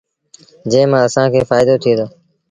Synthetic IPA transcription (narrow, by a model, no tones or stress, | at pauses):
d͡ʒẽːmãːəsãːkʰeːfaːɪd̪oːt̪ʰied̪oː